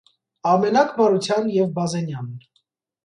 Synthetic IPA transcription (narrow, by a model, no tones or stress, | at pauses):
ɑmɛnɑkʰbɑɾut͡sʰjɑnjɛvbɑzɛnjɑn